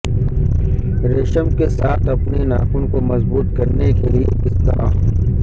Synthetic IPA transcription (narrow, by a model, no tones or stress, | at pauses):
ɾeːʃəmkesaːt̪ʰɐpninaːkunkomɐzbuːt̪̚kɐɾnekelijebɪst̪a̰ː